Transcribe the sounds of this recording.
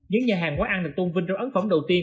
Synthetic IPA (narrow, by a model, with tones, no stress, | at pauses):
ɲɨ̰˧˥ŋɲaː˨˩ɦaː˨˩ŋkwaː˨˦ʔa˧nɗɨ˨˩k̚t̪o˧vï˧nt͡ɕɔ˧ŋ͡mʔə˨˦nfə˧˩ŋ͡mɗə˨˩wt̪i˧ən